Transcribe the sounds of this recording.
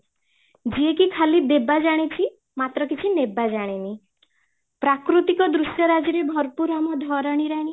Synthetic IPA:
d͡ʒiekikʰalid̪ebad͡ʒaɽ̃it͡ʃʰi | mat̪ɾɔkit͡ʃʰinebad͡ʒaɽ̃ini | pɾakɾut̪ikɔd̪ɾusjɔɾad͡ʒiɾebʱɔɾpuɾamɔd̪ʱɔɾɔɽ̃iɾaɽ̃i

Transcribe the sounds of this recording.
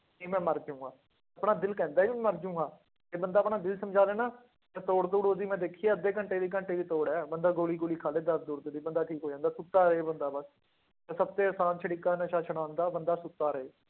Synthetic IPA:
kiːmɛ̃ːməɾd͡ʒũːɡaː | əpɳaːd̪ɪlkɛ̃ːnd̪aːimɛ̃ːməɾd͡ʒũːɡaː | eːbənd̪aːəpɳaːd̪ɪlsəmd͡ʒaːleːnaː | t̪et̪oːɽd̪uːɽod̪iːmɛ̃ːd̪eːkʰiːaːəd̪eːkəɳʈeːd̪iːk̬əɳʈeːʋiːt̪oːɽɛːbənd̪aːɡoːliːɡoːliːkʰaːleːd̪əɾ̚d̪uːɾd̪eːd̪iːbənd̪aːʈʰiːkɦoːd͡ʒãːnd̪aːsʊt̪ːaːɾeːbənd̪aːbəs | t̪esəb̚t̪eːəːsaːnt͡ʃʰəɽikaːnəʃaːt͡ʃʰəɽãːnd̪aːbənd̪aːsʊt̪ːaːɾəeː

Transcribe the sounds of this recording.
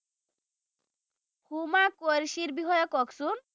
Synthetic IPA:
humakoɾʃiɾbiɦɔjɔkɔksun

